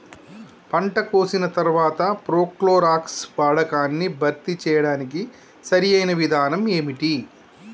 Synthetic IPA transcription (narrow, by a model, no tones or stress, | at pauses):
pɐɳʈɐkoːsinɐt̪ɐɾʋaːt̪ɐpɾoːkloːɾaːkspaːɽɐkaːnːibʱɐɾt̪it͡ʃɛːjɐɽaːniki | sɐɾijɐjnɐʋid̪ʱaːnɐmeːmiʈi